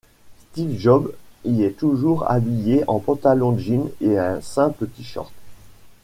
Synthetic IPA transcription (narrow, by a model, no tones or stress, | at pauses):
st̪ivʒɔbiɛt̪uʒuʁa̰bijeʔɑ̃pɑ̃t̪alɔ̃d̪əʒineɛ̃sɛ̃pət̪iʃɔ̰ʁt̪